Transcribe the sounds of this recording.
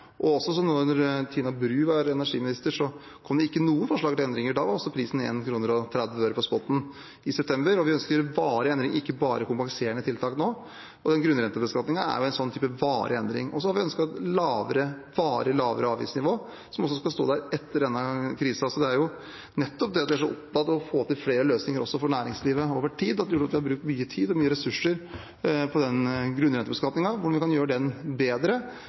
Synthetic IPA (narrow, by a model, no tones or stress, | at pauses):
ʔɔɔsɔs̬ɔnɔnɔɾt̪ʰiːnɑbɾʉːʋɑɾɛnæʂiːmɪnɪst̪əʂɔ | kʰɔmd̪ɛɪkːənuːənfɔʂɭɑːɡ̚t̪ɪlɛnd̪ɾɪŋəɖɑːʋɑɾɔsːɔpʰɾiːsn̩ḛːnkʰɾuːnəɾɔt̪ʰɾɛd̪ʋəøːɾəpʰɔspɔt̪ːn̩ | ɪsɛpt̪ʰɛmbəɾɔʋɪœnskəɾʋɑːɾəɛnd̪ɾɪŋʔɪkːəbɑːɾəkʊmpɑŋseːəɳət̪ʰɪlt̪ʰɑːknoː | ɔd̪ɛnɡɾʉnɾɛnt̪əbəskɑt̪nɪŋɑæ̰ɾjʊɛɪnsɔnt̪ʰyːpəʋɑːɾʔə̰ɛnd̪ɾɪ̰ŋʔɔsɔhɑɾʋɪœnskɑt̪lɑːʋəɾəʋɑːɾəlɑːʋə̰ɾəɑːʋḭːsnɪʋoː | sɔmɔs̬ːɔskɑst̪o̰ːd̪æɾɛt̪ːəɖɛnːɑkʰɾiːsɑsɔd̪ɛæɾjʊ | nɛt̪ːɔp̚d̪ɛɑt̪ʋɪæʂɔɔpd̪ɑt̪ːɔfoːt̪ʰɪlfleːɾəløːsnɪŋəɾʔɔsːɔfɔɳæːɾɪŋsliːʋəoːʋəʈʰiːd̪ɑt̪d̪ɛjʊʈːɑt̪ʋɪhɑɾbɾʉːk̚t̪myːət̪ʰiːd̪ɔmyːəɾɛsʉʂːəɾ | pʰɔd̪ɛnɡɾʉnɾɛnt̪əbəskɑt̪nɪŋɑʋʊɖɑnʋɪkɑnjøːɾəɖɛnbeːd̪ɾə